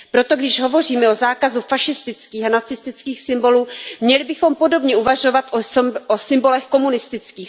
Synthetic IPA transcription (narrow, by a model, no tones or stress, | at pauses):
pɾo̞t̪o̞ɡdɪʒɦo̞vo̞riːmɛozaːkazufaʃɪst̪ɪt͡skiːxanat͡sɪst̪ɪt͡skiːxsɪmbo̞luːmɲɛlɪbɪxo̞mpo̞do̞bɲɛuvaʒo̞vat̪ʔoosɪmbo̞lɛxko̞munɪst̪ɪt͡skiːx